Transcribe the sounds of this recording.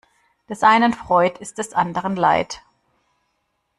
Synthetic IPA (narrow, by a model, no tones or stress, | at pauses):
d̥ɛsʔaɪnənfʁ̥ɔʏtɪstd̥ɛsʔandəʁənla̰ɪt